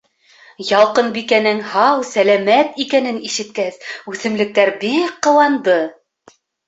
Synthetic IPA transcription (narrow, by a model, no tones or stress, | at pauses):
jɑlˠqɤnbikænɘŋhɑwsælæmæt̪ikænɘniʃɘ̆t̪̚kæsʉθɘ̆mlɘ̆k̚t̪æɾbikːɤ̆lˠɑnd̪ɤ